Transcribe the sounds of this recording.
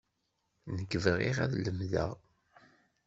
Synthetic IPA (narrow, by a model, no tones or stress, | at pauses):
nəɡəvəʁḭʁæ̰ðləmðæ̰